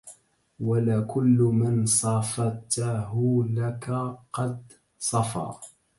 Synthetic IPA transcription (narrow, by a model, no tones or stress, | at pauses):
walakʊlːmansˤɑfɑt̪aɦʊlakaqɑd̪ | sˤɑfɑ̰ː